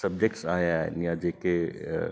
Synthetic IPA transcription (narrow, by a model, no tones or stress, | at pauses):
sɐb̚d͡ʒek̚ʈsaːjanijad͡ʒeke